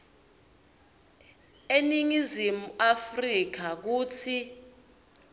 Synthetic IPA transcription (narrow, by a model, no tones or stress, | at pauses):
eniŋizimuafrik̬ak̬uːt͡sʰi